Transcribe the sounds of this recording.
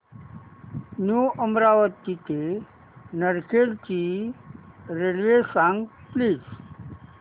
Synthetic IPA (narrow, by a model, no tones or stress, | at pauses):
njuʔəmɾaʋət̪ːit̪ʰe | nəɾkʰeɽt͡ɕiː | ɾelʋesãŋɡpliːd͡z